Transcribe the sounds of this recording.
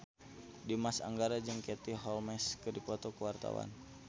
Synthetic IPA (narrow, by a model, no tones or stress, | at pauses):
dimasa̰ŋɡaɾad͡ʒɨŋkɛt̪iɦɔlmɛskədipɔt̪ɔkəwart̪a̰wa̰n